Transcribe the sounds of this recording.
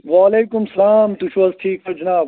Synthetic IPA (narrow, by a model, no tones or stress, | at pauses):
ʋaːleːkʊmsɐlaːmt̪ut͡ʃʰʋɐzʈʰiːkfɐɾd͡ʒnaː